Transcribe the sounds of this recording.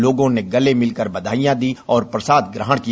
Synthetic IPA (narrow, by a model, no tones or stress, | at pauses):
loːɡõneɡɐlemɪlkəɾbɐd̪ʱaːijãd̪iɔːɾpɾɐsaːd̪ɡɾəɦəɽki